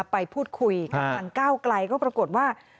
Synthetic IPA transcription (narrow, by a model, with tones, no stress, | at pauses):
pːa˧jpʰuː˥˩t̪̚kʰu˧jkʰa˥˩a˧nkaː˥˩wkla˧jkɔː˥˩pɾa˧ko˨˩t̪̚waː˥˩